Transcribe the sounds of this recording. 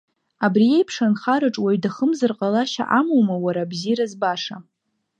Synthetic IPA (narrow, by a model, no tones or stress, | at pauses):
abrijejpʰʂanχaɾaʈ͡ʂʼwaɥdaχəmzɨrqʼalaʃa̰ʔamowmawaɾabziɾazbaʂa